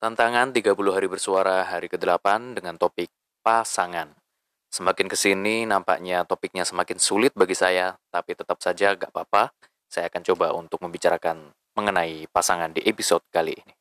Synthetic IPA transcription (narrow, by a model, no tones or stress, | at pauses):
t̪ant̪aŋant̪iɡapuluɦaɾibərsuaɾaɦaɾikədəlapandəŋant̪opɪk̚ | pasaŋan | səmakɪnkəsininampa̰ʔɲat̪opɪk̚ɲasəmakɪnsulɪt̪̚baɡisajat̪apit̪ət̪ap̚sad͡ʒaŋɡa̰ʔpapa | sajakant͡ʃobaʔunt̪ʊk̚məmbit͡ʃaɾakan | məŋənaipasaŋandiʔepisɔd̚kalḭʔːni